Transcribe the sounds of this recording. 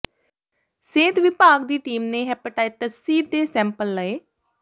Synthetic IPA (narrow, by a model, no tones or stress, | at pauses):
seːt̪ʋɪpaːɡd̪iːʈiːmnẽːɦɛːpəʈaːɪʈəsiːd̪eːsɛ̃ːmpəlːəeː